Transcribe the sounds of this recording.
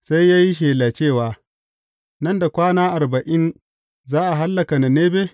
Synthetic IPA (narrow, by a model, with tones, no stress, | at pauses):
sa˦jːaː˦ji˦ʃ̬eː˨laː˨t͡ʃeː˦˨waː˨ | nɐ˦nda˨kʷaː˦naː˦ʔa˨ɾbɐ˨ʔɪ˦n | zaː˦ʔa˨ɦa˦lːɐ˨ka˨na˨neː˦beː˦